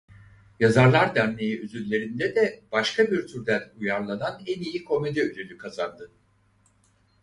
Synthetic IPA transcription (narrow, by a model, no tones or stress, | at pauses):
jazaɾlˠaɾd̪æɾme̞jiøzyllːʲe̞ɾind̪ɛd̪ɛb̥aʃkʰabiɾt̪ʰyɾd̪ænujaɾlˠananɛnijikʰo̞med̪ɛølʲelʲykʰazand̪ɯ